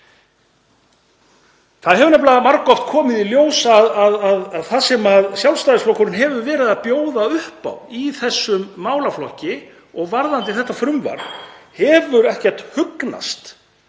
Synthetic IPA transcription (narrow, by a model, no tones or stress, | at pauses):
θaðɦɛvʏɾnɛplamaɾkɔft̪kʰɔːmɪðiljoːwsðaðaðaðθasɛmaðsjalst̪aðɪsflowkʏɾʏnɦɛvʏɾvɛːɾɪðapjoːwðaʏhpa̰wiθɛsːʏmːaːwlaflɔhcɪ | ɔɣvaɾðant̪̬ɪθɛht̪ːafɾʏmva̰ɾðhɛvʏɾɛhcɛr̥t̪hʏkna̰st̪